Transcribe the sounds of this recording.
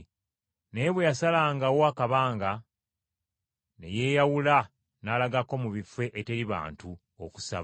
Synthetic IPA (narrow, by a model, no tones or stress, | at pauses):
ne̞βwejasalaːŋɡawoakaβaːŋɡa | ne̞̰je̞ːjawula | nalaɡako̞muβife̞ʔete̞ɾiβa̰ːntu | oku̥sa̰β